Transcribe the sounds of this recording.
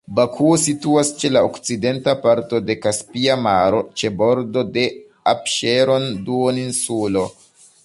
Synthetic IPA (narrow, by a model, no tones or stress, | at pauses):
bakʰuosituast͡ʃe̞laokt͡side̞ntapaɾto̞de̞kaspiamaɾo̞t͡ʃe̞bo̞ɾdo̞de̞ | apʃeɾonduoninsulo̞